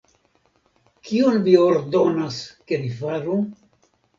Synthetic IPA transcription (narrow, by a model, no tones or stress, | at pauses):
kionvio̞ɾdonaske̞vifaɾu